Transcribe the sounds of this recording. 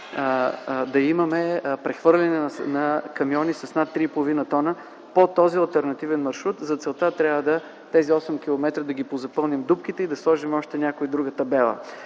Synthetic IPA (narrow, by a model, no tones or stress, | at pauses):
d̪ɐimɐmɛpɾɛxvɤɾlʲɛnɛnnɐkɐmiɔnisɐsnat̪ːɾipolˠovinət̪ɔnə | pot̪ɔziɐlˠt̪ɛɾnɐt̪ivɛnmɐɾʃɾut̪zɐt̪sɛlˠt̪at̪ɾʲavəd̪ɐ | t̪ɛziɔsɛmk̟ʲilˠomɛt̪ɾəd̪ɐɡʲipozɐpɤlˠnimd̪upkit̪ɛid̪ɐslˠɔʒimɔʃt̪ɛnʲakoid̪ɾuɡət̪ɐbɛlˠə̰